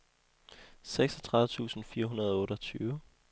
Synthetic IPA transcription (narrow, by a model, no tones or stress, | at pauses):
seɡ̥sɒt͡sʰʁɑ̈ðˠət͡sʰṵːsn̩fiːɐɦunɐð̞ˠɔ̽ːɾɒt͡sʰyːʊə